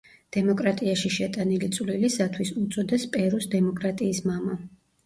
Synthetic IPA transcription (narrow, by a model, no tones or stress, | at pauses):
d̪̥ɛmɔkʼɾat̪ʼiaʃiʃɛt̪ʼanilit̪sʼwlilisat̪ʰwisut̪sʼɔd̪ɛspʼɛɾusd̪ɛmɔkʼɾat̪ʼiːsmama